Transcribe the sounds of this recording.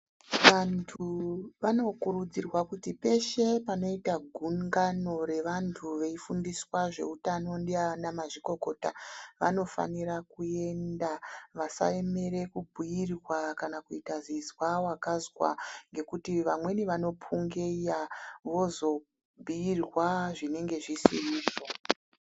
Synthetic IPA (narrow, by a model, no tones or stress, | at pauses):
ʋantʰuʋano̞kuɾud͡zirwakutipe̞ʃe̞pano̞itaɡʱuŋɡano̞ɾe̞ʋantʰuʋe̞ifundiswaʐe̞̰utanondianamaʐiko̞ko̞taʋa̰no̞fa̰nirakue̞ndaʋasa̰e̞me̞ɾe̞kubʱuirwakanakuitazizwawakazwa̰ŋɡe̞kutiʋamwe̞niʋano̞pʰuŋɡejaʋo̞zo̞ | bʱuirwaʐine̞ŋɡe̞ʐisḭriːd͡zo